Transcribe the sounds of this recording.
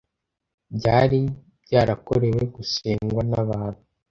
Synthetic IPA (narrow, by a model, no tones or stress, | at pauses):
bɟaːɾi | bɟaːɾako̞ɾe̞we̞ɡusiːŋɡwanaβaːn̥hu